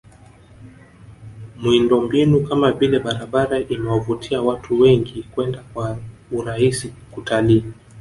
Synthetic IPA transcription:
mwindɔmbinukamavilɛɓaɾaɓaɾaʔimɛwavutʰiawatʰuwɛŋɡikwɛndakwauɾahisikutʰaliː

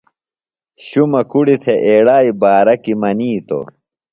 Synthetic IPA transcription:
ɕumɐkuɽit̪ʰeʔeːɽaːibaːɾɐkimɐniːt̪o̰

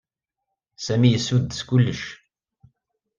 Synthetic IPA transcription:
sæmijəsːud̪skʊlːəʃ

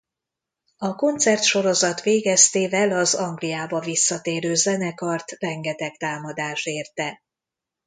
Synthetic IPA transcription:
ɒko̞nt̪sɛrt̪ʃo̞ɾo̞zɒt̪ʋeːɡɛst̪eːvɛlɒzɒŋɡlijaːbɒvisːɒt̪eːɾøːzɛnɛkɒrt̪rɛŋɡɛt̪ɛkt̪aːmɒd̪aːʃeːrt̪ɛ

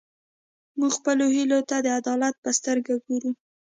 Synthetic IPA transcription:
muɡxpəlohilot̪ad̪əad̪ɑlat̪̚pəst̪əɾɡaɡoɾu

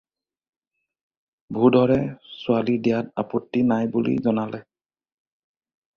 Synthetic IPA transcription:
bʱudɔɹɛsʊalidijat̚apotːinajbulḭzɔnalɛ

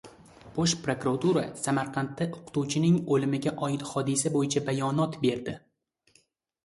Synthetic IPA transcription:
b̥oʃpɾokɾat̪uɾasamaɾqʰɑnt̪ʰːaʔʊqʰɨ̥t̪ʰuwt͡ʃʰɪnɪŋolɪmɪɡʲaʔɒjɪt̪hɒd̪ɪsabojɪt͡ʃʰabajɒnɒt̪be̞ɾd̪ɪ

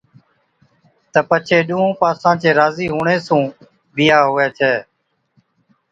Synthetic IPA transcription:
t̪əpət͡ʃʰeːɗũːõːpaːsãːt͡ʃeːɾaːziːɦuːɳeːsũː | ɓɪjaːɦʊːeːt͡ʃʰeː

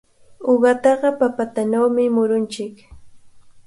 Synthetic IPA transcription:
oɢɑt̪ɑɢɑpapat̪anawmɪmʊɾʊnt͡ʃɪk

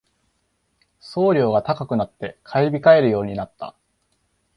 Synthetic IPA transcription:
so̞ːɾʲo̞ːɡat̪akakɯ̟nat̪ːe̞kʰaibʲikae̞ɾɯ̟jo̞ːɲ̟inat̪ːa̰

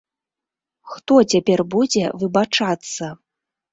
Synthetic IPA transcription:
xt̪ɔt͡sʲapʲɛrbud͡zʲɛvɨbat͡ʂat̪sːɐ

